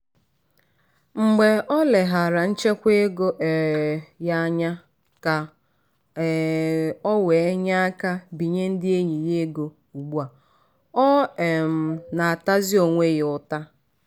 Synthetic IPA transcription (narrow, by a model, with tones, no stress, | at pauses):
ŋ͡m̩˨ɡ͡be˨ɔ˦le˨ɦa˨ɾa˨n̩˦t͡ʃe˦kʷe˦ɡo˦ʔe˨ja˦ɲa˦ | ka˨ | ɔ˦we˨e˦ɲa˦a˦ka˦bi˨ɲe˦n̩˦dɪ˦e˦ɲi˨je˦ɡo˨ | u˨ɡ͡bu˦a˨ | ɔ˦e˨m̩˨na˨a˨ta˦zɪ˦o˨ŋʷe˦ɣʊ˦˨ta˦